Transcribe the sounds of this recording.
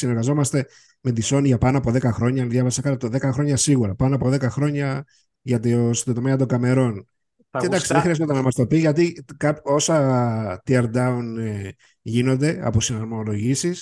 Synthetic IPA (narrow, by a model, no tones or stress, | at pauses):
sineɾɣɐzo̞mɐst̪e̞ | me̞d̪iso̞nʝɐpɐnoɐpoðe̞kɐxɾo̞ɲɐnðjʝɐvɐsɐkɐt̪t̪oðe̞kɐxɾo̞ɲɐsiɣuɾɐpɐnoɐpo̞ðe̞kɐxɾo̞ɲɐ | ʝɐt̪iost̪ot̪o̞meɐt̪oŋɡɐme̞ɾo̞n | ed̪ɐksiðexɾiɐz̬ot̪enɐmɐst̪o̞piʝɐt̪ikɐpo̞sɐt̪iɐɾd̪ɐun | ʝino̞nd̪e̞ɐ̰posinɐɾmolo̞ʝisis